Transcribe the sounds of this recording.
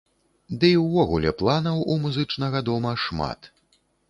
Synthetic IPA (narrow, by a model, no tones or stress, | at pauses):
d̪ɨiwːɔɣulʲɛplˠanɐwumuzɨt͡ʂnɐɣɐd̪ɔmɐʂma̰t̪